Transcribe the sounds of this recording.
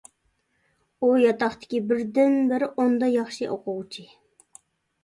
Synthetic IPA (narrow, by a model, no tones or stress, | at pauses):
ujɑt̪ɑχt̪ʰɪ̥kʲibɪɾd̪ɪnbɪɾɪʔond̪ɑjɑχʃiʔoqʰʊwt͡ʃʰi